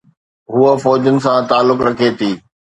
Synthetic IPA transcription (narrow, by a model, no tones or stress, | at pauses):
ɦuəfɔːd͡ʑənɪ̆s̬ãt̪aːlːʊkɾɐkʰet̪ʰiː